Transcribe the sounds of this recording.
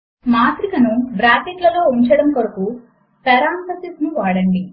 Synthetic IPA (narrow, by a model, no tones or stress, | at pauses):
maːt̪ɾikɐnubɾaːt̪iʈlɐlo̞ːuɲt͡ʃɐɽɐmkoɾɐku | pɛɾaːnt̪ɐsisnuʋaːɽɐɳɖi